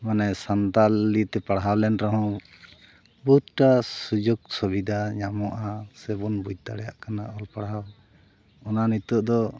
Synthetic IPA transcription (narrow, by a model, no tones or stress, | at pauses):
manɛsant̪alːit̪ɛpaɽɦawlɛnɾɔɦɔ̃ | buɦut̪̚ʈasud͡ʒoɡ̚sɔbid̪ʱaɲamɔʔasɛbɔnbuɟ̚t̪aɽɛjaʔkanaɔlpaɽɦaw | ɔnanit̪ɔʔd̪ɔ